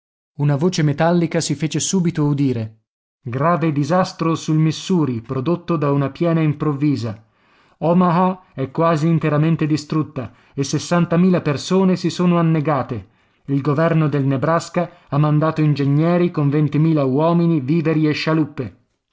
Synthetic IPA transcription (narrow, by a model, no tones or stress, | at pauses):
unavoːt͡ʃemet̪alːikasifeːt͡ʃesuːbit̪oud̪iːɾe | ɡɾaːved̪izast̪ɾosulmisːuːɾipɾod̪ot̪ːod̪aunapjɛːnaimpɾovːiːza | ɔmaɦaɛkːwaːziːnt̪eɾament̪ed̪ist̪ɾut̪ːa | esːesːant̪amiːlapersoːnesisoːnoanːeɡaːt̪e | ilɡovɛrnod̪elnebɾaska | amːand̪aːt̪oind͡ʒeɲːɛːɾikoɱvent̪imiːlawɔːminiviːveɾieʃːalupːe